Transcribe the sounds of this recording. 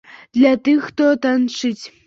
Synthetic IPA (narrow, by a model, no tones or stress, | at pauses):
d̪̥lʲat̪ɨxt̪ot̪anʂɨtʲ